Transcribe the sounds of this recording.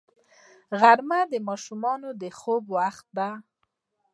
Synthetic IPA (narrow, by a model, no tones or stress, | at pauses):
ɣaɾmad̪əmɑʃumɑnod̪əxobwaxt̪̚d̪a